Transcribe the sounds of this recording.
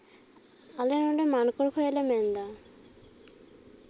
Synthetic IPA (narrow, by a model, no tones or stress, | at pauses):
alenɔɳɖemankoɾkʰojelemɛnd̪a